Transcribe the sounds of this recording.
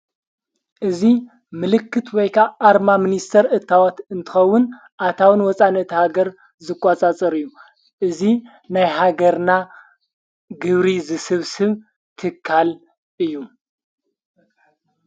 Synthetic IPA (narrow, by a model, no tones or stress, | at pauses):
ʔɨzi | mɨlɨkʰːɨt̪wɔjkʰaʔːɾmamɨnist̪ʰɐɾɨt̪ʰːawot̪ɨnt̪ʰɨ̥xɐwːʊn | ʔat̪ʰawɨnwɔt͡sʼanːɐt̪ihaɡɐɾ | zɨkʼːat͡sʼat͡sʼɐɾɨjːu | ʔɨzi | najɦaɡɐɾna | ɡɨβɾizɨsɨβsɨβ | t̪ʰɨkʰːal | ʔɨjːu